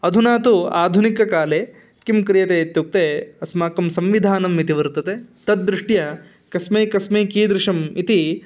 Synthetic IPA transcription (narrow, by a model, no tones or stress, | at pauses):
ɐd̪ʱunaːt̪ua̰ːd̪ʱunikɐkaːleː | kimkɾijɐt̪eːt̪juk̚t̪eːɐsmaːkɐmsɐmʋid̪ʱaːnɐmit̪iʋɐɾt̪ɐt̪et̪ɐt̪̚d̪ɾɪʂʈjɐ | kɐsmeːkɐsmeːkiːd̪ɾɪʂɐmit̪i